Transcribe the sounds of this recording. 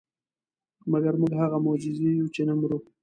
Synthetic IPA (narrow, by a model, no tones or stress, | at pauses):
maɡaɾmʊɡɦaɣamʊd͡ʒɪzejut͡ʃenamɾu